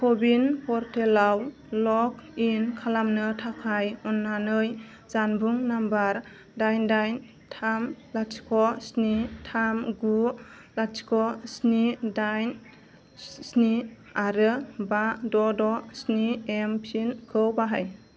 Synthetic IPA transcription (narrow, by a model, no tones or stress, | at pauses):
kʰobinpɔɾtʰelaw | lɔkinkʰalamnɯtʰakʰajɔnːanɯj | zanbuŋnambaɾ | dajndajn | tʰamlasi̥kʰɔsnitʰamɡu | lat͡ʃi̥kʰɔsnidajn | sni | aɾɯbadɔdɔsniempʰinkʰɯwbaɦaj